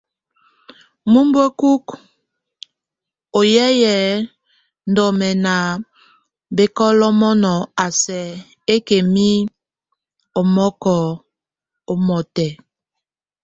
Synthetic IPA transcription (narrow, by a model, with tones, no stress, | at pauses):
mu˦mbo˦ku˦k | o˨jɛ˦jɛ˨ | n̩˦dɔ˨mɛ˨na˨ | be˦kɔ˦lɔ˦mɔ˦nɔ˨a˨sɛ˨ | e˦ke˨mi˦ | o˨mɔ˦kɔ˨ | o˦mɔ˨tɛ˨